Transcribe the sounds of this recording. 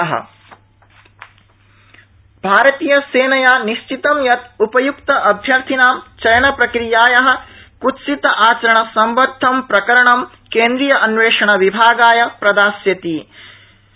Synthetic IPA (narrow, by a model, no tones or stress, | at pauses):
ɦɐ̰ | b̥ʱaːɾɐt̪iːjɐseːnɐjaːniʃt͡ʃit̪ɐmjɐt̪upɐjukt̪ɐʔɐbʱjɐɾt̪ʰinaːmt͡ʃɐjɐnɐpɾɐkɾijaːjɐɦɐ̆ | kutsit̪ɐʔaːt͡ʃɐɾɐɳɐsɐmʋɐɾd̪ʱːɐmpɾɐkɐɾɐɳɐm | keːnd̪ɾijɐʔɐnʋeːʂɐɳɐʋibʱaːɡaːjɐpɾɐd̪aːsjɐt̪iː